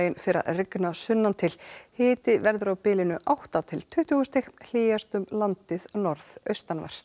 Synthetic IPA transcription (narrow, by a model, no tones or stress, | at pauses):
jɪnfɪɾa̰ðrɪknasʏnːant̪ʰɪlhɪːt̪ɪvɛɾðʏɾawpɪːlɪnʏʔawht̪at̪ʰɪlt̪ʰʏht̪ʏɣʏst̪ɪxl̥iːjast̪ʏmlant̪ɪðnɔɾθœɥst̪anva̰r̥t̪